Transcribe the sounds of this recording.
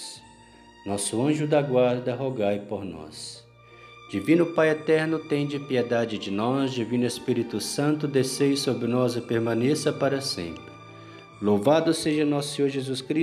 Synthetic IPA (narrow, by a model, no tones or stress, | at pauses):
s | nɔsʊɐ̃ʒʊd̪ɐɡwaɾd̪ɐɦoɡajpoɾnɔ̰s | d͡ʒivĩnʊpajɛt̪ɛɾnʊt̪ẽj̃d͡ʒɪpiɛd̪ad͡ʒɪd͡ʒɪnɔzd͡ʒivĩnʊespiɾit̪ʊsɐ̃nt̪ʊd̪esejsobɾɪnɔzɪpeɾmɐ̃nesɐpaɾɐsḛ̃mpɾɪ | lowvad̪ʊseʒɐnɔsʊsẽɲoɾʒezuskɾi